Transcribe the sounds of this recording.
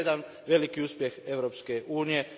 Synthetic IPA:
ed̪an | ʋe̞likiuːspjexeʋɾoːpskeʔuːnije

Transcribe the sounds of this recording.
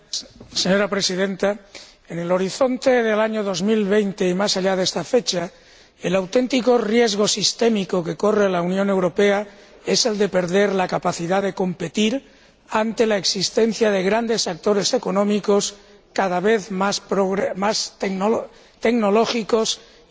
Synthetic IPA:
seɲo̞ɾapɾe̞siðe̞nt̪a | enelo̞ɾiθo̞nt̪e̞ðe̞laɲoðo̞zmilβe̞jnt̪e̞imasaʎaðest̪afe̞t͡ʃa | elawt̪e̞nt̪iko̞rje̞zɣ̞o̞sist̪e̞mikoke̞ko̞relaunjõnewɾo̞pe̞a | e̞se̞ld̪e̞pe̞ɾðe̞ɾlakapaθiðaðe̞ko̞mpe̞t̪iɾ | ant̪e̞laeksist̪e̞n̟θjaðe̞ɣ̞ɾand̪e̞sak̚t̪o̞ɾe̞se̞konõ̞miko̞s | kaðaβe̞θmaspɾoɣmasto | t̪e̞ɡno̞lo̞xiko̞s

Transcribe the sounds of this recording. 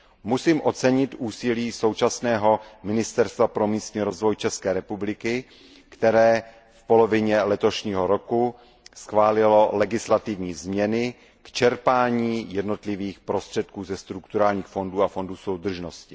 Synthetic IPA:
musiːmʔo̞tt͡sɛɲɪt̪ʔuːsɪliːso̞wt͡ʃasnɛːɦo̞mɪnɪst̪ɛɾst̪vapɾo̞miːst̪ɲiːɾozvo̞jt͡ʃɛskɛːɾɛpublɪkɪ | kt̪ɛɾɛː | fpo̞lo̞vɪɲɛlɛt̪o̞ʃɲiːɦo̞ɾo̞ku | sxvaːlɪlo̞lɛɡɪslat̪ɪvɲiːzmɲɛnɪ | kt͡ʃɛɾpaːɲiːjɛdno̞t̪lɪviːxpɾo̞st̪r̥ɛt̪̚kuːzɛst̪ɾukt̪uɾaːlɲiːxfo̞nduːafo̞nduːso̞wd̪r̩ʒnoscɪ

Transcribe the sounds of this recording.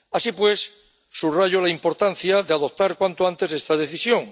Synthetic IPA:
asipwe̞sː | uβraʝolaimpo̞ɾt̪an̟θjaðeað̞o̞p̚t̪aɾkwant̪oant̪e̞se̞st̪að̞e̞θisjo̞ŋ

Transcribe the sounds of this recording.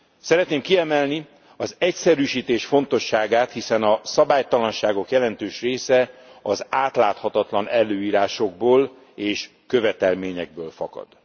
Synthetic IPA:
sɛɾɛt̪neːmkiɛmɛlni | ɒzɛcsɛɾyːʃiːt̪eːʃfo̞nt̪o̞ʃːaːɡaːt̪hisɛnɒsɒbaːjt̪ɒlɒnʃaːɡo̞kjɛlɛn̪t̪øːʃreːsɛɒzaːt̪laːt̪hɒt̪ɒt̪lɒnɛlːøːiːɾaːʃo̞ɡ̚boːl | eːʃ | kø̞vɛt̪ɛlmeːɲɛɡ̚bøːlfɒ̰kɒ̰d̪̥

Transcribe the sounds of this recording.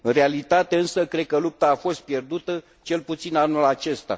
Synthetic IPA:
ɨnrealit̪at̪e̞ɨnsəkɾe̞d̪̚kəlup̚t̪aːfo̞st̪̚pje̞rd̪ut̪ə | t͡ʃe̞lput̪sinanulat͡ʃe̞st̪a̰

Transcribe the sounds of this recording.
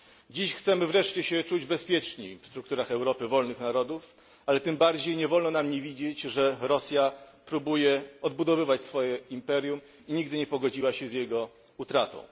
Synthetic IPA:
d͡ʑiɕxt̪sɛmɘvɾɛʂt͡ɕɛɕɛt͡ʂud͡ʑbɛspʲjɛt͡ʂɲḭfst̪ɾuk̚t̪uɾaxɛwɾɔpɘvɔlnɘxnaɾɔd̪uf | alɛt̪ɘmbaɾd͡ʑejɲɛvɔlnɔnamɲevʲid͡ʑet͡ɕʐɛɾɔsʲjapɾubujɛɔd̪bud̪ɔvɘvat͡ɕsfɔjɛimpɛɾʲjum | iɲiɡd̪ɘɲɛpɔɡɔd͡ʑiwaɕɛzjɛɡɔ | ut̪ɾat̪ɔ̰̃w̃

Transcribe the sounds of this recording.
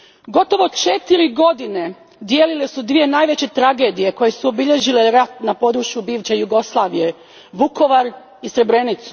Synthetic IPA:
ɡo̞t̪o̞ʋo̞t͡ʃe̞t̪iɾiɡo̞d̪ine | d̪jeːlile̞sud̪ʋije̞naːjʋet͡ɕe̞t̪ɾaɡe̞d̪ije̞ko̞je̞suo̞biʎe̞ʒileɾat̪napo̞d̪ɾuʃjubiːʋt͡ɕejuɡo̞slˠaːʋije̞ | ʋuko̞ʋaɾ | isɾe̞bɾe̞nit̪su̥

